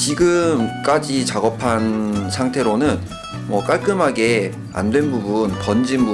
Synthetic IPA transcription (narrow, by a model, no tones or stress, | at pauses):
t͡ɕiɡɯmk͈ad͡ʑit͡ɕaɡʌpʰansʰaŋtʰe̞ɾonɯn | mwʌk͈aɭk͈ɯmɦaɡe̞ | a̰ndwe̞nbubunkʌnd͡ʑinbu